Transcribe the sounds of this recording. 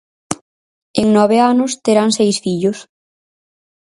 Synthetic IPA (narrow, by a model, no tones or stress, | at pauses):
eŋnɔβeanʊst̪eɾaŋsejsfiʎʊs